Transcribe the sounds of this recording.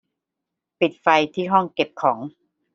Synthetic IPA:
pi˨˩t̪̚fa˧jt̪ʰiː˥˩ɦɔ˥˩ŋke˨˩p̚kʰɔː˩˦ŋ

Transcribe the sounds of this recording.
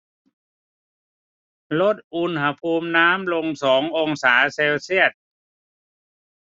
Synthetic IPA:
lo˦˥t̪̚ʔu˧nɦa˧pʰuː˧mnaː˦˥mlo˧ŋsɔː˩˦ŋʔo˧ŋsaː˩˦seː˧wsi˥˩ət̪̚

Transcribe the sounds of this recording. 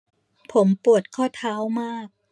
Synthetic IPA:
pʰo˩˦mpu˨˩ət̪̚kʰɔː˥˩t̪ʰaː˦˥wmaː˥˩k̚

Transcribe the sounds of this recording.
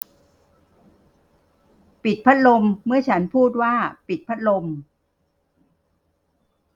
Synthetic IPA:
pi˨˩t̪̚pʰa˦˥t̪̚lo˧mːɯ˥˩ɐt͡ɕʰa˦˥npʰuː˥˩t̪̚waː˥˩pi˨˩t̪̚pʰa˦˥t̪̚lo˧m

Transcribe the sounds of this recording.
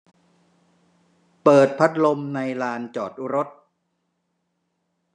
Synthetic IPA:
pɤː˨˩t̪̚pʰa˦˥t̪̚lo˧mna˧jlaː˧nt͡ɕɔː˨˩t̪̚u˦ɾo˦˥t̪̚

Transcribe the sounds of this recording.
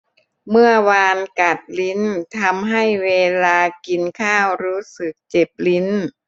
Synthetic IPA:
mɯ˥˩ɐwaː˧nka˨˩t̪̚li˦˥nt̪ʰa˧mɦa˥˩jweː˧laː˧ki˧nkʰaː˥˩wɾuː˦˥sɯ˨˩k̚t͡ɕe˨˩p̚li˦˥n

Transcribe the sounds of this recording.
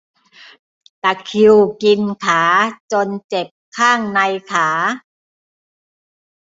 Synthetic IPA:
t̪a˨˩kʰi˧wki˧nkʰaː˩˦t͡ɕo˧nt͡ɕe˨˩p̚kʰaː˥˩ŋna˧jkʰaː˩˦

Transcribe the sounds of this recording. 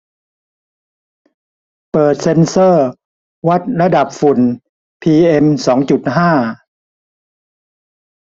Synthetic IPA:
pɤː˨˩t̪̚se˧nsɤː˥˩ | wa˦˥˩t̪̚ɾa˧da˨˩p̚fu˨˩n | pʰiː˧ʔe˧msɔː˩˦ŋt͡ɕu˨˩t̪̚ɦaː˥˩

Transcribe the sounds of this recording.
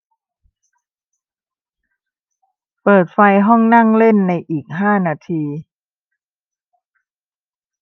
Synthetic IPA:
pɤː˨˩t̪̚fa˧jɦɔ˥˩ŋna˥˩ŋle˥˩nːa˧jʔiː˨˩k̚ɦaː˥˩naː˧t̪ʰiː˧

